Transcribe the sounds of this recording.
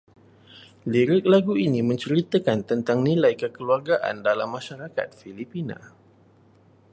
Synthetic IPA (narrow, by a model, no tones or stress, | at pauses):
liɾɪk̚laɡuinimə̃ɲt͡ʃəɾit̪əkant̪ənt̪aŋnĩlajkəkəluarɡaʔa̰ndalamːãʃaɾaka̰t̪̚filipina̰